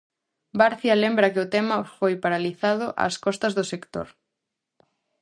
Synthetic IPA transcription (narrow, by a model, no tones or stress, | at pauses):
baɾθjalembɾɐkɪʊt̪ɛmɐfojpaɾaliθað̞ʊʔa̰skɔst̪ɐzðʊsekt̪o̰ɾ